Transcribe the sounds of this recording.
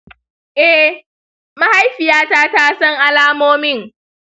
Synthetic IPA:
ʔɛ˦ | ma˦ha˦jɸɪ˨jaː˦taː˦taː˦sɐ˦ŋʔa˦laː˦moː˦mɪ˦˨ŋ

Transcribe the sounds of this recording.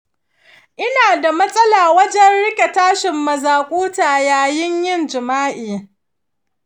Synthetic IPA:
ʔɪ˦naː˨da˨mɐ˦sʼɐ˦laː˨wɐ˦d͡ʒɛ˦nɽɪ˦kʲe˨taː˦ʃɪ˨mːɐ˨zaː˨kʷʼuː˦taː˨jaː˦jɪ˦ɲjɪ˦nd͡ʒɪ˨maː˦ʔiː˨

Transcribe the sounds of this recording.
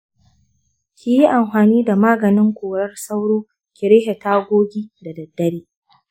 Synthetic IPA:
kʲʰi˦ji˦ʔa˨mɸaː˨niː˦da˨maː˦ɡɐ˨nɪ˦ŋkʷoː˨ɽɐ˦rsa˦wɽoː˦ | kʲɪ˨ɾɪ˦he˨taː˦ɡʷoː˦ɡʲiː˦da˨dɐ˨dːɐ˦ɽiː˦

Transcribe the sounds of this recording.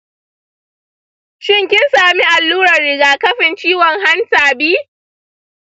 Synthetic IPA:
ʃɪ˦˨ŋkʲɪ˦nsaː˨mi˦ʔa˨lːuː˦ɾɐ˨rːɪ˨ɡaː˨kɐ˦ɸɪ˨nt͡ʃiː˦wɔ˨ŋɦa˦ntaː˨biː˦

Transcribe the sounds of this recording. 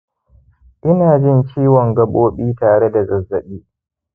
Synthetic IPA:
ʔɪ˦naː˨d͡ʒɪ˦nt͡ʃiː˦wɔ˨ŋɡɐ˨ɓoː˦ɓiː˦taː˨ɽe˦da˨zɐ˨zːɐ˨ɗiː˦

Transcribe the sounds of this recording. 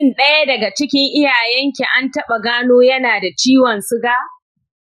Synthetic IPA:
nɗɐ˦ja˦dɐ˨ɡa˨t͡ʃɪ˦kʲɪ˦ŋʔɪ˦jaː˨jɛ˦ŋkʲe˨ʔa˦ntɐ˦ɓa˨ɡaː˦noː˦jɐ˦naː˨da˨t͡ʃiː˦wɐ˨nsʊ˦ɡaː˦

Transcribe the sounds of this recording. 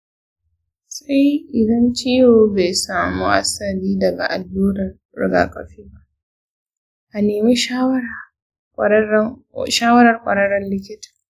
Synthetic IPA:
sa˦jʔɪ˨dɐ˦nt͡ʃi˦joː˨be˨saː˨mṵ˦ʔa̰˦sɐ˨ɾiː˦dɐ˨ɡa̰˨ʔa̰˨lːuː˦nɐ˨r | ɽɪ̰˦ɡa̰ː˨kʼɐ˨ɸiː˦ba˦ʔ | ʔa˨neː˨meː˦ʃa˦wɐ˦˨˦ | ʃaː˦wɐ˦ɾɐ˨rkʷʼɐ̰˨ɾɐ˦ɽɐ˦nlɪ˦kʲɪ˦tḁ˨

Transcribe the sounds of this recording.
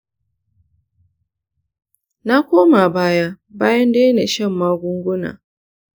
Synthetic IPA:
na˦kʷoː˦ma˨baː˦ja˦ | baː˦jɐ˦ndeː˦jne˨ʃɐ˦˨mːaː˦ɡʷʊ˦ŋɡʷʊ˦na̰ː˨

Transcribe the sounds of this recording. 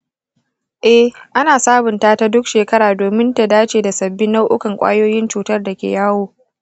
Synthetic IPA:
ʔɛ˦ʔa˦naː˨saː˦bʊ˨ntaː˦ta˦dʊ˦kʃeː˨kɐ˦ɾaː˨doː˨mɪ˦nta˨daː˦t͡ʃeː˨da˨sɐ˨bːɪ˦nːa˦wʔʊ˦kɐ˨ŋkʷʼa̰ː˦joː˦jɪ˦nt͡ʃuː˨tɐ˦rda˨kʲḛː˨jaː˦woː˨

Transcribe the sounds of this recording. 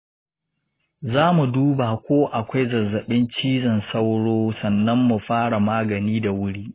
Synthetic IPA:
zaː˦mu˨duː˦ba˨kʷoː˦ʔa˨kʷa˦jzɐ˨zːɐ˨ɓɪ˦nt͡ʃiː˦zɐ˨nsɐ˦wɽoː˦sɐ˨nːɐ˦mːu˨ɸaː˦ɽa˨maː˦ɡɐ˨niː˦da˨wʊ˦ɽiː˦

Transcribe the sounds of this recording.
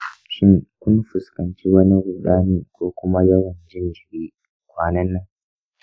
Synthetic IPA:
ʃɪ˦ŋkʷʊ˦mɸʊ˨skɐ˨nt͡ʃi˦wɐ˦ni˦ɾʊ˨ɗaː˦niː˦kʷoː˦kʷʊ˦ma˦jɐ˦wɐ˨nd͡ʒɪ˦nd͡ʒɪ˨ɾiː˦ | kʷaː˨nɐ˦nːa˦ŋ

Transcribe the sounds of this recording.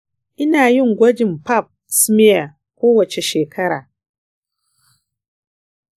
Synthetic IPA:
i˦na˨˦ju˦ŋ̩˨ɡʷa˦d͡ʒi˨m̩˨pa˦˨p̚ | sɨ˦mi˦a˨ | ko˦wa˨t͡ʃi˨ʃe˨kʰa˦ɾa˨

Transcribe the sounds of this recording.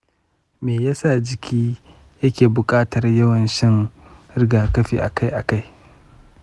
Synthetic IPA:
meː˨jaː˦saː˦˨d͡ʒɪ˨kʲʰiː˦ | jɐ˦kʲeː˨bʊ˨kʼaː˦tɐ˨rjɐ˦wɐ˨nʃɪ˦ŋɾɪ˦ɡaː˨kɐ˦ɸḭː˨ʔa̰˨ka˦jʔa˨ka˦j

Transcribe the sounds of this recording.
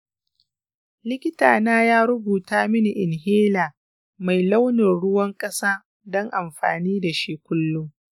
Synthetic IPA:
lɪ˦kʲɪ˦ta̰ː˨naː˦jaː˦ɾʊ˦buː˨taː˦mɪ˦ni˨ʔɪ˨nɦeː˦laː˨ | ma˨jla˦wnɪ˨rɽʊ˦wɐ˦ŋkʼɐ˦saː˦ | dɔ˦ŋʔa˨mɸa̰ː˨niː˦da˨ʃi˦kʷʊ˦lːʊ˦

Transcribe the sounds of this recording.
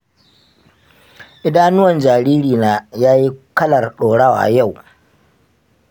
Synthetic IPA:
ʔɪ˦daː˦nʊ˦wɐ˨nd͡ʒaː˨ɾiː˦ɾiː˨naː˨˦jaː˦ji˦kɐ˦lɐ˨rɗoː˨ɽaː˦wa̰ː˨ja˦˨w

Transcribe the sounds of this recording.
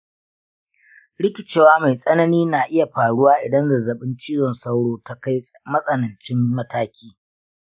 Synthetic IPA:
ɽɪ˦kʲɪ˨t͡ʃeː˨˦waː˦ma˨jsʼɐ˦nɐ˦niː˦naː˨ʔɪ˦ja˨ɸaː˨ɽʊ˦waː˦ʔɪ˨dɐ˦nda˨zɐ˨ɓɪ˦nt͡ʃiː˦jɔ˨nsa˦wɽoː˦ta˦ka˦jmɐ˦sʼɐ˨nɐ˨nt͡ʃɪ˦mːɐ˦taː˦kʲʰiː˦

